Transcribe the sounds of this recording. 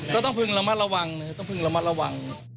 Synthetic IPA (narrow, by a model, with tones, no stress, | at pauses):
kɔː˥˩t̪ɔ˥˩ŋpʰɯ˧ŋla˧ma˧˥t̪̚ɾa˧wa˧ŋn˧kʰa˧˩t̪ɔ˥˩ŋpʰɯ˧ŋla˧ma˥˩t̪̚a˧wa˧ŋ